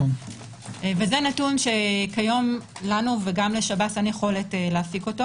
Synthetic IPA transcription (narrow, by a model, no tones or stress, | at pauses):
vezenatunʃe̞kajo̞mlanuveɡamle̞ʃabatanjeχo̞le̞teleafiko̞to̞